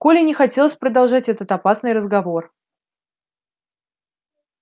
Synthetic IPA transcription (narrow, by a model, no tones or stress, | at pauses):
kolʲɪnʲɪxɐtʲelˠəsʲpɾəd̪ɐlˠʐatʲɛt̪ət̪ɐpasnɨjrəzɡɐvo̞r